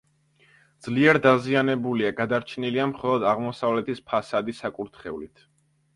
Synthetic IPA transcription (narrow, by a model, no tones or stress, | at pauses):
d̪z̥liɛɾd̪azianɛbuliaɡad̪aɾt͡ʃʰniliamχɔlˠɔd̪aʁmɔsavlɛt̪ʰispʰasad̪isakʼuɾt̪ʰχɛulit̪ʰ